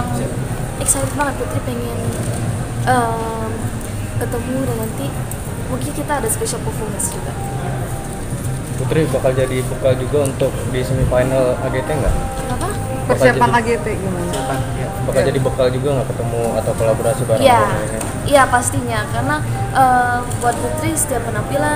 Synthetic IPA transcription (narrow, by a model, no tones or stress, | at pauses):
m | ɛksajdɛt̪baŋət̪̚put̪ɾipeŋɛn | ʔə | kət̪əmudanant̪i | muŋkɪnkit̪aːdasə̥peʃalpofɔməsd͡ʒuɡa | put̪ɾibakald͡ʒadibəkald͡ʒuɡaunt̪ʊk̚disəmifajnalaɡet̪eŋɡa̰ʔ | napa | pərsiapanaɡet̪eɡimanapajabakald͡ʒadibəkald͡ʒuɡaŋɡakət̪əmua̰t̪awkolaboɾasibaɾajaaini | japast̪iɲakaɾənaʔəbuat̪̚put̪ɾisd̪iapənampila